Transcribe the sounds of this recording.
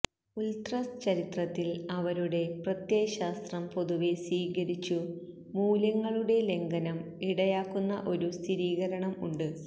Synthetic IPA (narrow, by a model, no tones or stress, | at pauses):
ult̪rɐst͡ɕɐɾit̪rɐt̪ːilɐʋɐɾuɽe̞prɐt̪jeːɕaːst̪rɐmpo̞ðuʋe̞sʋiːɣɐɾit͡ɕːu | muːlɐŋːɐɭuɽe̞le̞ŋɡɐnɐm | iɽɐjaːkːunːɐ̰ʔo̞ɾust̪ʰiɾiːɣɐɾɐɳɐmuɳɖɨ